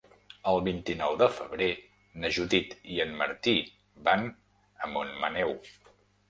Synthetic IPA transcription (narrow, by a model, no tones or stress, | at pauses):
əlˠβint̪inɔwðəfəβɾe | nəʒuðit̪iənməɾt̪i | ban | əmonmənɛw